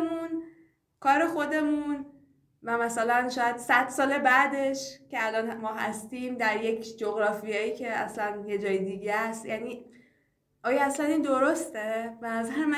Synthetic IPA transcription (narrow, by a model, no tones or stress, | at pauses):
mun | kʰɒːɾe̞xo̞d̪e̞mun | væmæsælænʃɒːjæd̪̥sæd̪̥sɒːle̞bæd̪e̞ʃce̞ælɒːnmɒːɦæ̰st̪iːmd̪æɾje̞cʰd͡ʒoɣɾɒːfijejiːcʰe̞æ̰slænje̞d͡ʒɒːjid̪iɟæst̪jæːniː | ɒːjɒæslæniːnd̪o̞ɾost̪e̞benæzæɾemæ